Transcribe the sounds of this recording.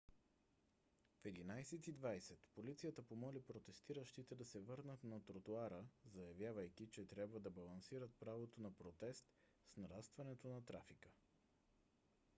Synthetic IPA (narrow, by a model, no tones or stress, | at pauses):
fɛd̪inajsɛt̪id̪vajsɛt̪polit̪sijət̪əpomɔlipɾot̪ɛst̪iɾəʃt̪it̪ɛd̪ɐsɛvɤɾnət̪nɐt̪ɾot̪uaɾəzɐjɐvʲjavəjkit͡ʃɛt̪ɾʲabvəd̪ɐbɐlˠɐnsiɾət̪̚pɾavot̪onɐpɾot̪ɛst̪ | snɐɾast̪vɐnɛt̪onɐt̪ɾafikə